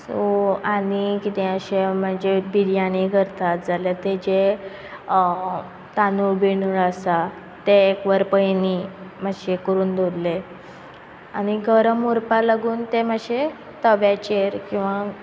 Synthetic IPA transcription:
soanikit̪ɛ̃əɕem̤əɳd͡ʑebiɾjaniɡʱəɾt̪ʰat̪̚d͡zaljat̪ed͡ʑe | t̪anubeɽ̃uɽəsa | t̪eːkʋəɾpəjnim̤əɕekəɾuːnd̪ʱoɾle | añiɡəɾəmuɾpalaɡuːnt̪eməɕe | t̪əʋjat͡ɕeɾkĩw̃ʋa

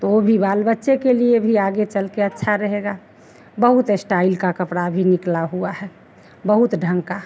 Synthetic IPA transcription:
t̪oobʱibaːlbətːʃekeliebʱiaːɡet͡ʃəlkeətːʃʰaɾəɦeɡa | bəɦut̪sʈaɪlkakəpɽabʱinɪklaɦuaɦɛ | bəɦʊt̪ɖʱə̃ŋka

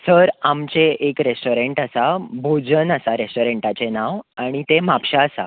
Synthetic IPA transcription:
səɾamt͡ɕeʔekɾesʈoɾeɳʈəsabʱod͡zənəsaɾesʈoɾeɳʈat͡ɕenaʋaɽ̃it̪emapɕaəsa̰

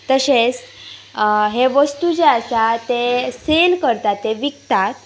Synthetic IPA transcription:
t̪əɕet͡s | ɦeʋəst̪ud͡ʑeasat̪eselkəɾt̪at̪ːeʋikt̪at̪̚

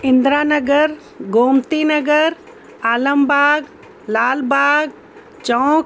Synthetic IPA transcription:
ɪ̃nd̪ɾaːnəɡəɾ | ɡoːmt̪inəɡəɾ | aːləmbaːɡ | laːlbaːɡ | t͡ʃɔ̃ːk

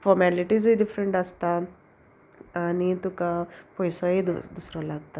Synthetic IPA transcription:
fɔɾmɛliʈizbiɖifɾəɳʈast̪a | nit̪ukapɔjsɔɦid̪d̪usɾɔlaɡt̪a

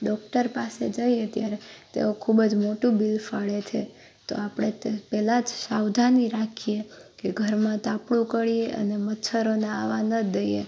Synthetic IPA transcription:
ɖɔk̚ʈəɾpased͡ʒəiet̪jaɾet̪ḛokʰubd͡ʒmoʈũbilfaɭet͡ʃʰe | t̪o̰apɽ̃epɛlad͡ʒʃawd̪ʱaniɾakʰijekeɡʱəɾmãt̪apɽũkəɭieʔə̰nemət̪ːʃʰəɾonaaʋanəd̪əjḛ

